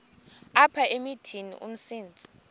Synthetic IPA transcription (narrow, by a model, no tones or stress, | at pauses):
apʰaʔemitʰinḭʔṵm̩siːnd͡zʱi̥